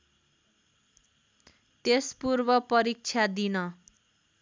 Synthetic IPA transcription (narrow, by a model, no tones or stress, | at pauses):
t̪espurbʌpʌɾik̚t͡sʰad̪inʌ